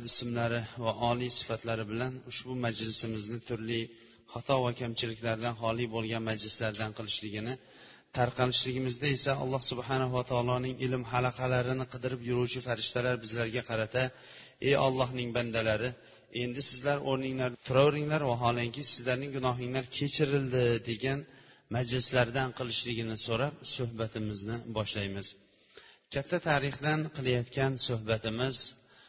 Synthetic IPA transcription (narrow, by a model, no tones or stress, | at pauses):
ɪsmlaɾɪvaʔɒlijsɪ̥fat̪laɾɪbɪlanʊʃbʊmad͡ʒlɪsɪmɪznɪt̪ʰʊɾlɪ | χɑt̪ʰɒvakʲʰamt͡ʃʰɪlɪkʲlaɾd̪anɦɒlˠibolˠɡʲanmad͡ʒlɪslaɾd̪anqʰɨlˠɪʃlɪɡʲɪnɪ | t̪ʰaɾqʰɑlɪʃlɪɡʲɪmɪzd̪ae̞saɒ̰lˠːɑhsʊbhanaɦʊwat̪ʰɒːlˠɒnɪŋɪlɪmɦalaqʰɑlaɾɪnɪqʰɨd̪ɪɾɪpjʊɾuwt͡ʃʰɪfaɾɪʃt̪ʰalaɾbɪzlaɾɡʲaqʰɑɾat̪ʰa | e̞jɒlˠːɒɦnɪŋband̪alaɾɪ | e̞nd̪ɪsɪzlaɾoɾnɪŋlaɾnt̪ʰʊɾɒwɾɪŋlaɾwaɦɒlˠɪŋkʲɪsɪzlaɾnɪŋɡʊnɒɦɪŋlaɾkʲʰe̞t͡ʃʰɪɾɪld̪ɪd̪e̞ɡʲanmad͡ʒlɪslaɾd̪anqʰɨlˠɪʃlɪɡʲɪnɪsoɾap̚sʊhbat̪ʰɪmɪznɪbɒʃlajmɪz̥ | kʲʰat̪ʰːat̪ʰaɾɪχd̪anqʰɨlˠajɒt̪kʲʰansʊhbat̪ʰɪmɪz